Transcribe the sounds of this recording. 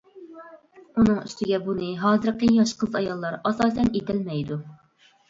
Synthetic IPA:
unɨŋy̰st̪ɪɡʲɛbunɨɦɑːzɨɾqəjɑʃqʰəzɑjɑlˠːɑɾɑsɑːsɛnet̪ʰɪlmɛjd̪u

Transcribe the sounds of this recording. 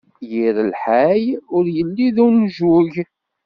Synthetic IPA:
jiɾəlħajʊɾjəlːiðunʒuʝ

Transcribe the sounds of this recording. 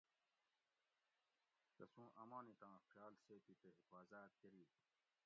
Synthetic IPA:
k̪ɐsũːʔɐmãːnĩt̪ãːxjaːlseːt̪it̪eɦifaːzaːt̪̚kɐɾiː

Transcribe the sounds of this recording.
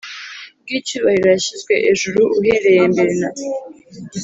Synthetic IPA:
b̚ɡiːt͡ʃuːβahiɾojaɕizɡwe̞̰ʔeʒuɾuʔuɦeɾe̞jembeɾena

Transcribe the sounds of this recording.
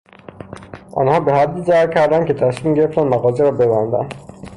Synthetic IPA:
ʔɒ̰ːnhɒːbe̞hæd̪ːiːzæɾcʰæɾd̪æncʰe̞t̪ʰæsmiːmɟe̞ɾeft̪ænmæɣɒːzeɾɒːbe̞bænd̪æ̰n

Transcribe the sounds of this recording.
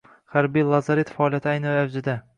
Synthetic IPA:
haɾbijlˠazaɾit̪faɒːlˠijat̪ʰɪajnɪavd͡ʒɪd̪a

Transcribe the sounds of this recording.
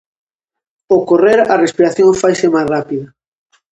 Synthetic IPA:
okoreɾɐrespiɾaθjõŋfajsemajzrapiðɐ

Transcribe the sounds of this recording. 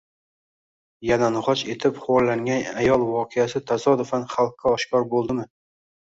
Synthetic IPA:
jananʊʁɒt͡ʃe̞t̪ʰɪpχwɒɾlaŋʲanajɒlˠvɒqʰejasɪt̪ʰazɒd̪ʊfanχalˠqʰːaɒʃkɒɾbolˠd̪ɪmɪ

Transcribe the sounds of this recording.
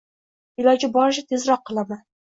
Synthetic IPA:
ɪlˠɒd͡ʒɪbɒɾɪʃ̬ɪt̪ʰezɾɒqʰːɨlˠaman

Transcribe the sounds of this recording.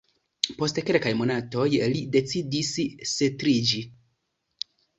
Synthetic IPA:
po̞stkelkajmo̞nato̞jlide̞t͡sidisse̞tɾid͡ʒi

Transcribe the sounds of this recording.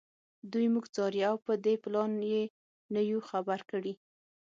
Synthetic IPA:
d̪ujmuɡt͡sɑɾjiawpəd̪eplɑnje | nəjuxabaɾkəɽi

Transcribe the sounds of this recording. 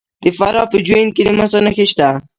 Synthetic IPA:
d̪̥əfaɾɑpəd͡ʒwen̚ked̪əmasonəxeʃt̪a

